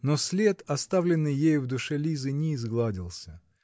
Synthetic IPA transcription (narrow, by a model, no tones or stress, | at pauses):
nosʲlʲe̞t̪ɐst̪avlʲɪnːɨjjejʊvd̪ʊʂɛlʲizɨnʲɪːzɡlˠadʲɪlˠsʲə